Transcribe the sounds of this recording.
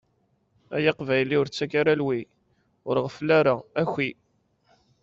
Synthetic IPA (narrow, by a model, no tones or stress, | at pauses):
æjɑqvæjliʊɾt͡sːækaɾalwi | ʊɾʁəflaɾaæçʷi